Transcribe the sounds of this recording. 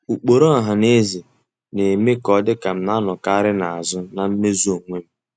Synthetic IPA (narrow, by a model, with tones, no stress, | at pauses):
u˨k͡po˨ɾo˦a˨ɦa˨ne˦zi˨ | ne˨me˦kɔ˨˦dɪ˦ka˨m̩˦na˦nʊ˨ka˦a˦ɾɪ˦na˨a̰˨zʊ˦na˨m̩˦me˦zu˦o˨ŋʷe˦m̩˦